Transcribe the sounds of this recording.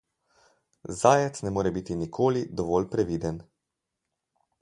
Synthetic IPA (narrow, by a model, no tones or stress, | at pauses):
zaːjɛt̪snɛmoːɾɛbit̪inikʰoːlid̪ɔʋɔːlpɾɛʋiːd̪ɛn